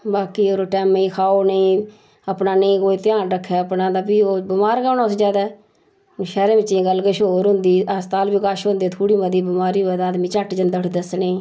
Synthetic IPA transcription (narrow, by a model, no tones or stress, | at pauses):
baːkiːoːɾoːʈɛːmĩːkʰaːoːneĩː | əpnaːnĩːkoːiːt̪ɪjãːnɾəkʰːɛːəpnaːd̪aːpiːoːbɪmaːɾkaːnãːsd͡ʒaːd̪ɛː | ʃɛːɾẽːmɪt͡ʃːĩːɡəlːkəʃoːɾɦʊ̃nd̪iːəst̪aːlbiːkaːʃɦʊ̃nd̪eːt̪ʰuːɽiːməd̪iːbɪmaːɾiːɦoːɛːt̪aːd̪mĩːt͡ʃəʈd͡ʒənd̪əʈʰd̪əsneː